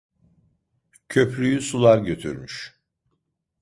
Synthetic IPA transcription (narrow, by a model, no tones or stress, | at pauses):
cʰøpɾyjysulˠaɾɟøt̪ʰy̰ɾmyʃ